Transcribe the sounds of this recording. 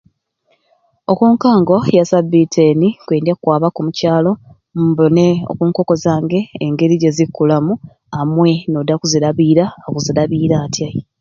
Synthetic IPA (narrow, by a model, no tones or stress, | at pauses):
o̞kuːŋkaːŋɡo̞jasabitʰenikweːndiakukwaːβakumucaːlo̞ | mboneo̰kuːŋko̞ko̞zaːŋɡe̞ːŋɡe̞ɾiɟe̞zikːulamu | amwe̞no̞dakuziɾaβiːɾaːkuziɾaβiːɾaːtʰja